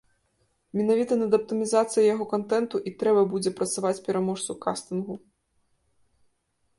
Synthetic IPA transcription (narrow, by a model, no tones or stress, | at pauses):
mʲɛnavʲit̪ɐnɐd̪ɐp̚t̪ɨmʲizat̪sɨjɐjaɣɔkant̪ɛnt̪uʔit̪ɾɛbɐbud͡zʲɛpɾɐt̪savat͡sʲpʲɛɾamɔʂt̪sukast̪ɨnɣu